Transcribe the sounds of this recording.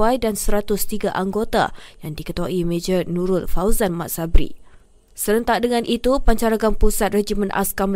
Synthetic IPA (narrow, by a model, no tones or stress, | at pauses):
ajdansəɾat̪ʊst̪iɡaʔaŋɡot̪a̰jaŋdikət̪uaʔimed͡ʒərnũɾʊt̪̚fawzanmaʔsabɾḭ | səɾənt̪aʔdəŋãnʔit̪upaɲt͡ʃaɾaɡanpusat̪̚red͡ʒimə̃nʔa̰skam